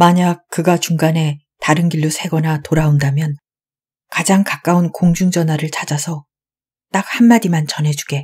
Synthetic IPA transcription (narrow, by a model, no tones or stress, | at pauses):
maɲak̚k͈ːɯɡat͡ɕuŋɡane̞ | taɾɯnɡiʎːusʰe̞ɡʌnatoɾaondamjʌn | kad͡ʑaŋkak͈aunkoŋd͡ʑuŋd͡ʑʌnɦwaɾɯɭt͡ɕʰad͡ʑasʰʌ | t͈ak̚hanmadimant͡ɕʌnɦe̞d͡ʑuɡe̞